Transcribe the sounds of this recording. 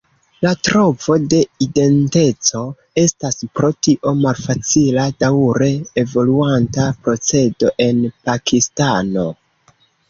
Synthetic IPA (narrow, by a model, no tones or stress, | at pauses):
latɾo̞vo̞de̞ide̞nte̞t͡so̞ | e̞staspɾo̞tiʔo̞malfat͡siladawɾe̞evo̞luantapɾo̞t͡se̞do̞ʔe̞npakʰistano̞